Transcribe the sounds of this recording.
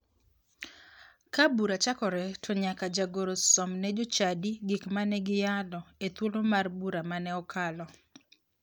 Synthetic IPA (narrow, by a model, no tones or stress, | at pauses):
kabuɾat͡ʃakɔɾɛtʰɔɲakad͡ʒaɡoɾosɔmnɛd͡ʒot͡ʃadiɡɪkmanɛɡɪjalɔet̪wolomarbuɾamanɛɔkʰalɔ